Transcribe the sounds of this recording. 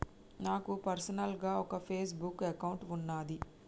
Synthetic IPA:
naːkupɐɾsɐnɐlɡaːɔkɐpʰeːs̬bukːɐkɐwɳʈunːaːd̪i

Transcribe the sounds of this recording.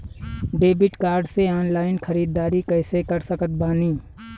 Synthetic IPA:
ɖeːbɪʈkaːɾɖseɔːnlaːɪnxʰəɾiːd̪ːaːɾikɛːsekɐɾsəkət̪̚baːniː

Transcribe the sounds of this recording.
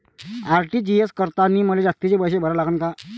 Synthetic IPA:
aɾʈiːd͡ʑieskəɾt̪aniːməled͡zast̪it͡sebəjɕ̬ebʱəɾəlaɡəːnka

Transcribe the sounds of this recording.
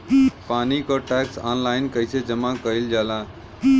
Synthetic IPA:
paːnikoʈɛksa̰ːnlaːɪnkəjsed͡ʒəmakəild͡ʒaːlãː

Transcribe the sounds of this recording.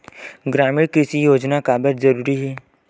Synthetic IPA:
ɡɾaːmɪɽkɪsijoːd͡ʒnakaːbəɾzɐɾuːɾiɦɛː

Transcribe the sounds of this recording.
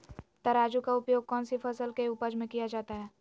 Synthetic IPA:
t̪ɐɾaːd͡ʒukaʊpjoːɡ̚kɔːnsifʰɐsəlkeuːpəd͡ʒmẽkijad͡ʒaːt̪aɦɛː

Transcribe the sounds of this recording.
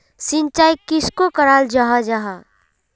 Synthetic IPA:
sɪ̃nt͡ʃaːjkɪskokəɾaːld͡ʒaɦad͡ʒaɦaː

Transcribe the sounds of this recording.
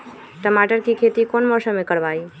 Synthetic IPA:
ʈəmaʈəɾkikʰet̪ikonmɔːsəmẽkəɾʋaːi

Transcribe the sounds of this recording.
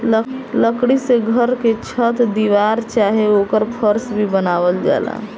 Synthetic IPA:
ləkɽiseɡʱəɾket͡ʃʰət̪d̪iʋaɾt͡ʃaɦeokəɾpʰəɾsbʱibənaʋəld͡ʒa̰la̰

